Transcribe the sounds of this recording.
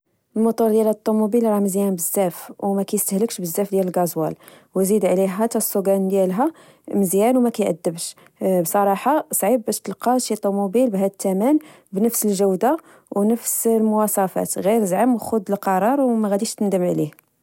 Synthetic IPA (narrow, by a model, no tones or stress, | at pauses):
əlmot̪ˤuɾd̪jælət̪ˤːumubilɾˤɑməzjænbəzːæfwmækæjəst̪əhləkʃbəzːæfd̪jæləlɡɑzwæ̰l | wzid̪ʕliɦæt̪æsˤːuɡænd̪jælɦæ | məzjænwmækæjʔə̰d̪ːəbʃ | bsˤɑɾˤɑħɑsˤʕibbæʃt̪əlqɑʃit̪ˤːumubilbɦæd̪ət̪ːæmæn | bnəfsəlʒəwd̪a | wnəfslmʊwɑsˤɑfæ̰t̪ɣiɾzʕəmwxʊd̪əlqɑɾˤɑɾˤwmæɣæd̪iʃt̪ənd̪əmʕlih